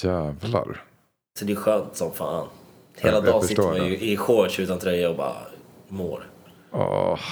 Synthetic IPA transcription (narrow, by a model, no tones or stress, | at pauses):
æːvla̰ɾ | sɔd̪ɛɛɧœːnt̪sɔmfa̰ːan | heːlad̪ɑːsɪt̪ːɾanjɵʔɪɧɔʂʉ̟ːt̪ant̪ʰɾɛjːaɔbɑ̰ːɾa̰mo̰ːɾ | ɑ̰